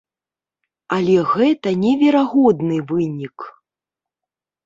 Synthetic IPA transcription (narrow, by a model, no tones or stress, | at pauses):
alʲɛɣɛt̪ɐnʲɛvʲɛɾaɣɔd̪nɨvɨnʲik